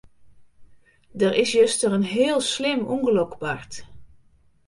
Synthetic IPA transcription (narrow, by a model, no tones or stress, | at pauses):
dərʔɪsjøstərənɦɪːlˠslɪmuŋɡəlokbaɹt